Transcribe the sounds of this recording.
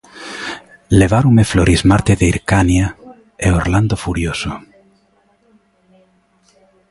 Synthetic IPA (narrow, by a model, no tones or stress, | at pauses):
leβaɾumefloɾʔizmaɾt̪eðeiɾkanja | eorland̪ofuɾjoso